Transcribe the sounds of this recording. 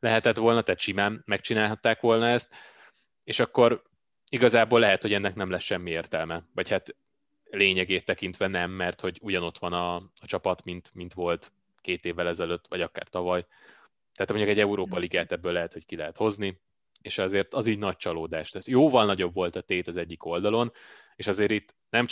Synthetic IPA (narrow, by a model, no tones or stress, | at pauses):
lɛɦɛt̪ɛt̪ʋo̞lnɒt̪aːt̪ʃimaːmːɛkt͡ʃinaːlɦɒt̪ːaːkʋo̞lnɒɛst̪ | eːʃɒkːo̞ɾ | iɡɒzaːboːlːɛɦɛt̪ho̞ɟɛnːɛknɛmlɛsʃɛmːieːrt̪ɛlmɛvɒchat̪ | leːɲɛɡeːt̪ːɛkint̪ʋɛnɛmːɛrt̪ho̞ɟuɟɒno̞t̪ʋɒnɒɒt͡ʃɒpɒt̪mint̪mint̪ʋo̞lt̪ | keːt̪eːvːɛlɛzɛløt̪ːʋɒ̰ɟɒka̰ːrt̪ɒvɒj | t̪ɛːt̪mɲɟukɛɟːɛuɾoːpɒliɡaːt̪ɛbːøːlɛɦɛt̪ho̞ckilɛɦɛt̪ho̞zni | eːʃɒzeːrt̪ɒziːɟnɒc̚t͡ʃɒloːd̪aːʃt̪ɛːt̪joːvɒlnɒɟo̞bvo̞lt̪ɒt̪eːt̪ɒzɛɟːiko̞ld̪ɒlo̞n | eːʃɒzeːɾit̪ː | nɛm